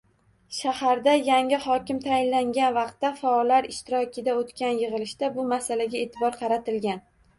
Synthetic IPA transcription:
ʃahaɾd̪ajaŋɪhɒkʲɪmt̪ʰajɪnlaŋɡʲanvɑqt̪ːafaɒlːaɾɪʃt̪ɪɾɒkʲɪd̪aot̪kʲʰanjɨʁɨlɪʃd̪abʊmasalaɡʲae̞t̪ʰɪbɒɾqʰɑɾat̪ɪlɡʲan

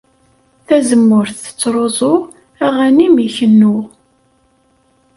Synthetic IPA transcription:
θæzəmːʊɾθə̥t͡sːɾˤozˤoʁ | æʁænimiçənːʊʁ

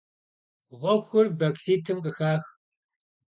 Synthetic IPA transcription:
ʁʷɔxʷʊrbɐksiːtʰɨmqʼəxaːx

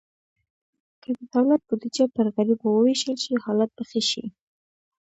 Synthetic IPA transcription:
kʰəd̪əd̪̥awlat̪̚bud̪id͡ʒapəɾɣaɾibwəweʃəlʃihɑlat̪̚baxeʃḭ

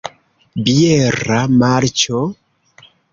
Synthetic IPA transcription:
bieɾamaɾt͡ʃo

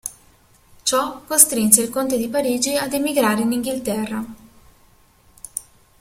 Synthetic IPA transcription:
t͡ʃɔkːost̪ɾinseilkont̪ed̪ipaɾiːd͡ʒiad̪emiɡɾaːɾeiniŋɡilt̪ɛrːa

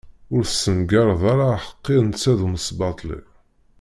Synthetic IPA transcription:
ʊɾθsːənɡɑɾˤəðˤaɾaħə̥qːɪðnt͡sːæðuməsbɑt̪ˤlḭ

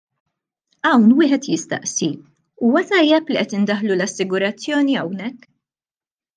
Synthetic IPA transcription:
ɐwnwɪːħɛt̪jɪst̪ɐ̰ʔsi | uːwɐt̪ɐjːɛpliʔɛt̪ɪnd̪ɐħlulɐsːɪɡʊɾɐt͡sːjɔːniɐwnɛkː

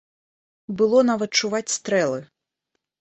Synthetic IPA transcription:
bɨlˠɔnavɐt̪̚t͡ʂuvat͡sʲst̪ɾɛlˠɨ

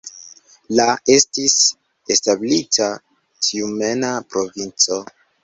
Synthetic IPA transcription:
lae̞stis | establitʰa | tʰiumenapɾo̞vint͡so̞

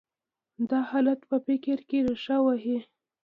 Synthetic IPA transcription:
d̪ɑhɑlat̪pəpɪkɪɾkeɾʂawaɦi

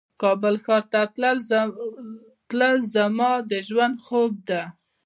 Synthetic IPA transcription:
kɑbəlxɑɾt̪aə | t̪ləlzamɑd̪əʒwand̪xob̚d̪a

